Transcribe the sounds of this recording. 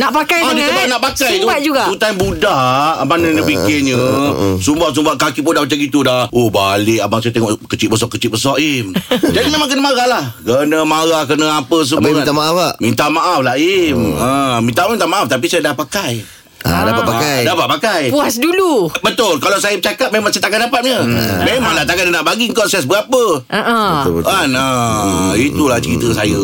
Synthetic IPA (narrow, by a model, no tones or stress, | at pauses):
naʔpakajadit̪əbanaʔpakajt̪ubʔ̚d͡ʒuɡaput̪anbudaabanənəpikɪɲə̃sumbaʔs̬umbaʔkakiʔbudahmat͡ʃaŋɡit̪udaobalɪkabaŋsajat̪ɛŋɔʔkət͡ʃit̪ʔ̚bəs̬ɔʔkət͡ʃɪt̪̚bəsɔʔimd͡ʒadimẽmãŋk̬ənəmaɣalahkənəmaɾakənəapəs̬əmuĩt̪amaʔafamint̪aʔmaʔaflaiməmint̪aʔmamint̪amaʔaft̪ap̬isajadahpakaj | a̰dapat̚pakajdapat̪̚pakajpuasdulubət̪ʊlkalasajəbət͡ʃakat̪̚memãŋsajat̪akandapat̪̚ɲəmemaŋlat̪aɡatdənaʔbaɡiŋkɔnsaasbəapəaʔəana | it̪ulaht͡ʃəɾit̪əsajə